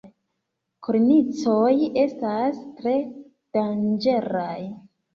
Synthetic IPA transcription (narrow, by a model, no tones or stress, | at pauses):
kuɾnit͡so̞je̞stastɾe̞ | d̥and͡ʒe̞ɾaj